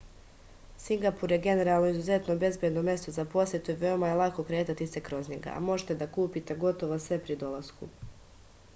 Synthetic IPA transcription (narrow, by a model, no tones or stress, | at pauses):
siŋɡapuɾje̞ɡe̞ne̞ɾalˠno̞izuze̞t̪no̞be̞zbje̞d̪no̞mje̞st̪ozapo̞sjet̪uiʋeomajelˠako̞kɾeːt̪at̪ise̞kɾo̞zɲeɡa̰a̰mo̞ʒet̪e̞d̪akuːpit̪e̞ɡo̞t̪o̞ʋosʋe̞pɾid̪o̞lˠaskṵ